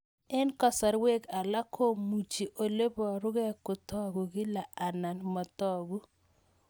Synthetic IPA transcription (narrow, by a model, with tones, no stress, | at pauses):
ɪ˦nkɔ˨sa˨ɾwe˦ka˨la˦kʰo˦mu˨t͡ʃi˨ʔo˨le˦bɔ˨ɾʊ˦ɣɛ˦kʊ˨t̪ɔ˦ɡu˨ɡɪ˦la˨a˨na˨nmɔ˨t̪ɔ˦˨ɡu˦